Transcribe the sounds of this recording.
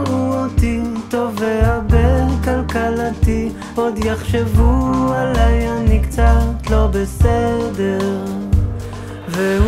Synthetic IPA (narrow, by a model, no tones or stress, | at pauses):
uot̪it̪oveaʁbekalkalat̪i | od̪jaχʃevualajanikt͡sat̪lo̞besɛd̪eʁ | ve